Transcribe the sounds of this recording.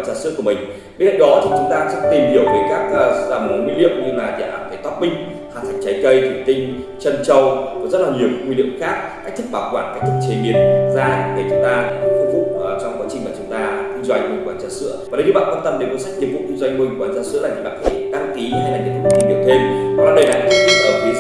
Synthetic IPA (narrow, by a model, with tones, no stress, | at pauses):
nzaː˧sɨ̰˧˥əku˧˩əmï˨˩ŋ̟ | ɓe˧nka̰˧˨ŋɗɔ˨˦t͡ɕt͡ɕʊ˨˦ŋ͡mt̪aː˧˦t͡ɕɨ˧˥t̪i˨˩mhi˨˩əwvəː˨˦jkaː˦˥k̚ːzaː˧˩mo˨˦nŋwḭ˧˥lḭ˧˨əwŋ͡mɲɨ˧laː˨˩t̪i˨a̰˨˧˨aː˧˩kʰaː˧˩jt̪wa˦˥p̚mï˧ŋ̟ | haː˨˩t̪ʰa˨˩ŋ̟̚t͡ɕa˨˦jkə˧jt̪ʰwi˨˩ət̪ï˧ŋ̟ | t͡ɕə˧nt͡ɕə˧wkɔ˨˩˦zə˦˥t̚laː˨˩ɲi˨˩əwkkŋwi˧lḭ˧˨əmxaː˦˥k̚kaː˦˥k̚t̪ɨ˦˥k̚ɓaː˧˩wkwaː˧˩nkaː˦˥k̚t̪ʰɨ˦˥k̚t͡ɕe˨˩mi˨˩ət̚zaː˧˨ɗe˨˩t͡ɕʊ˨˦ŋ͡mt̪aː˧˨˩ku˧vṵ˧˨˩t͡ɕɔ˧wŋ͡mkwaː˨˦t͡ɕï˨˩ŋ̟maː˨˩t͡ɕʊ˨˦ŋ͡mt̪aː˧t̪i˧zwa˧jŋ̟mɨ˧˩ŋkwaː˨˧˦nt͡ɕə˦˥t̚sɨ̰˧˥əa˨˩ɗə˧˦jt̪ʰi˨˩ɓa̰ː˧˨nkwaː˧nt̪ə˧mɗe˨˩ku˨˦nsa˦˥ɲi˨əvṵ˧˨ki˧zwa˧jŋ̟mɨ˧˩ŋkwaː˨˩nzaː˧nsɨ̰˧˥laː˨˩˨laː˨˩t̪ʰa˨˩ɗaː˨˦˥nki˨˦ha˧jlaː˨˩ɲḭ˨t̪ʰɨ˦˧i˨˧ŋɗɨ˨˩əwt̪ʰe˧mɔ˨˩nɔ˨˦ɗə˧jlaː˨˩kːt̪ʰi˦˥ʔə˨˩ki˧˦